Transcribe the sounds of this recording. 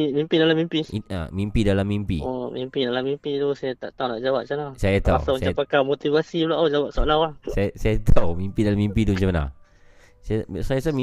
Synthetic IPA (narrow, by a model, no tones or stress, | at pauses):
mimpidalamimpia̰mimpidalamːimpḭomimpidalamimpid̪usajat̪a̰ʔt̪auwna̰ʔd͡ʒawaʔ̚t͡ʃanasajat̪asamaɲsapakamot̪ivasiulaʔod͡ʒawaʔ̚saʔlawahsajasajat̪ʰawmimpidalamːimpidumt͡ʃamana̰ | sajasajasami